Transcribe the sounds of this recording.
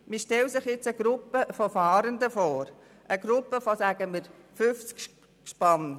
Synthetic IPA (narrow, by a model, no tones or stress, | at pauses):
miʃtɛlsɪχjɪt͡səɡ̥ɾʊpːəfɔfɑːɾənd̪əfɔːɾ | ʔəɡ̥ɾʊpːəfosæɡ̥əmiɾ | fʏft͡sk | ʃpɑn